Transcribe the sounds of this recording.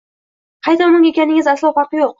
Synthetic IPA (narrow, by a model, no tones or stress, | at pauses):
qʰɑjt̪ʰanɪŋe̞kʲanɪŋɪzaslˠɒχɑqjoq̚